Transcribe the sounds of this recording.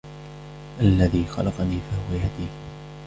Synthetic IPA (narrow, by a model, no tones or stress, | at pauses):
ʔalːaðiːxɑ̰lʔɑqɑniːfahʊwajad̪iː